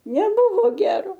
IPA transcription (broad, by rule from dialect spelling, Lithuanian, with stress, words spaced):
nʲɛˈbʊʋoː ˈɡʲæːroː